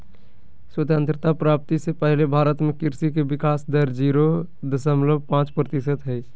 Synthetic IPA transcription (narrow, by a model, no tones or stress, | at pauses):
swət̪ə̃nt̪ɾɪt̪apɾaːp̚t̪isepəɦlebʱaːɾət̪mẽkɪɾsikebɪkaːsd̪əɾd͡ʒiːɾo | d̪əsəmləbʱpãːt͡ʃpɾət̪ɪsət̪ɦɛi